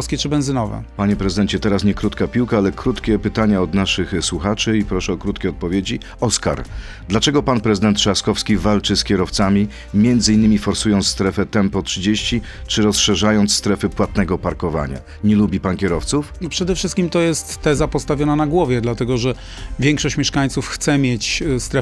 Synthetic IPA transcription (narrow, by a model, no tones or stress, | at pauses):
fskʲɛt͡ʂɘbɛnzɘnɔvɛ̰paɲɛpɾɛzɨd̪ɛɲt͡ɕɛt̪ɛɾasɲɛkɾut̪kapʲiwkaalɛkɾut̪kʲɛpɘt̪aɲaɔd̪naʂɘxswuxat͡ʂɘipɾɔʂɛɔkɾut̪kʲɛɔt̪̚pɔvʲjed͡ʑi | ɔska̰ɾ | d̪lat͡ʂɛɡɔpanpɾɛzɘd̪ɛnt̪ʂaskɔfskʲivalt͡ʂɘskʲjɛɾɔft̪samʲi | mʲjɛnd̪zɘinːɘmʲifɔɾsujɔnt̪sst̪ɾɛfɛt̪ɛmpɔtʂɘd͡ʑeɕt͡ɕi | t͡ʂɘɾɔsʂɛʐajɔnt̪sst̪ɾɛfɘpwat̪nɛɡɔpaɾkɔva̰ɲa̰ | ɲɛlubʲipankʲɛɾɔft̪sufnɔpʂɛd̪ɛfʂɘst̪kʲimt̪ɔjɛst̪ːɛzapɔst̪avʲjɔnanaɡwɔvʲjɛd̪lat̪ɛɡɔʐɛ | vʲjɛŋkʂɔɕt͡ɕmʲjɛʂkaɲt̪sufxt̪sɛmʲjet͡ɕst̪ɾɛ